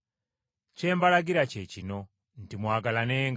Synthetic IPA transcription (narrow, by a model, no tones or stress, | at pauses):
t͡ʃɛmbalaɡiɾat͡ʃɛt͡ʃinɔ | n̩timuaɡalanɛŋ